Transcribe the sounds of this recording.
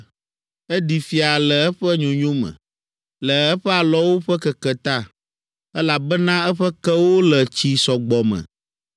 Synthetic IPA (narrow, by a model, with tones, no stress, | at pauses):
ɛ˦di˨fi˨a˨lɛ˨ɛ˦ɸɛ˦ɲõ˨ɲõ˦mɛ̰̃˨ | lɛ˨ɛ˦ɸɛ˦a˨lɔ˦wo˦ɸɛ˦kɛ˨kɛ˨t̪a˦ | ɛ˦la˨bɛ˦nã˦ɛ˦ɸɛ˦kɛ˦wo˦lɛ˨t͡ɕi˦sɔ˨ɡ͡bɔ˨mɛ̰̃˨